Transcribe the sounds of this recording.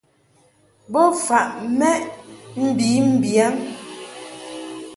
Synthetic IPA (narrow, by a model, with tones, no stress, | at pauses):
bɔ˦fa˨ʔmɛ˦ʔm̩˦bi˨˦m̩˦bja˨˦ŋ